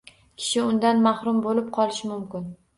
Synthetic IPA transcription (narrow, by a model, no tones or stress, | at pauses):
kʲʰɪ̥ʃɪʊnd̪anmahɾʊmbolɪp̚qʰɒlˠɪʃɪmʊmkʲɪn